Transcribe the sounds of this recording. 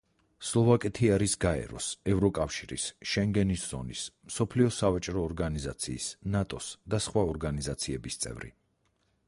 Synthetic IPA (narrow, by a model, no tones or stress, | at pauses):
slˠɔvakʼɛt̪ʰiaɾisɡaɛ̰ɾɔ̰sɛvɾɔkʼafʃiɾḭsʃɛŋɡɛnisz̥ɔ̰nismsɔpʰliɔsavat͡ʃʼɾɔːɾɡanizat̪sʰiːsnat̪ʼɔsd̪asχwaɔɾɡanizat̪sʰiɛbist̪sʼɛ̰vɾḭ